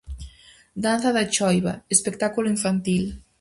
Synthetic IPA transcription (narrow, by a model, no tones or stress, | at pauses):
d̪anθɐðat͡ʃɔjβaespek̚t̪akuloiɱfant̪il